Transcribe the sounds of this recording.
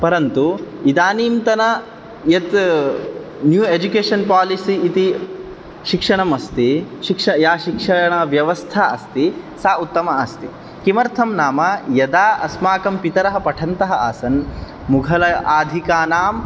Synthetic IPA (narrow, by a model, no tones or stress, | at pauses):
pɐɾɐnt̪uid̪aːniːmt̪ɐnɐ | jɐt̪ | njuːeːd͡ʒukeːʂɐnpaːlisiːt̪i | ʃikʂɐɳɐmɐst̪iʃikʂɐjaːʃikʂɐɳɐʋjɐʋɐst̪ʰaːɐst̪isaːut̪ːɐmɐɐst̪i | kimɐɾt̪ʰɐmnaːmɐjɐd̪aːʔɐsmaːkɐmpit̪ɐɾɐɦɐpɐʈʰɐnt̪ɐɦɐaːsɐn | muɡʱɐlɐʔaːd̪ʱikaːnaːm